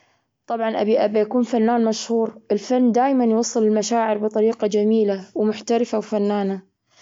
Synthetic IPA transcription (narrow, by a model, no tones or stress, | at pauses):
t̪ˤɑbʕɑnʔabiʔabajakuːnfanːaːnmaʃhuːɾʔɪlfanːd̪aːjmanjwɑsˤːɨlɪlmaʃaːʕɪɾbɨt̪ˤɑɾiːqɑd͡ʒamiːlawmʊħt̪aɾɪfawfanːaːna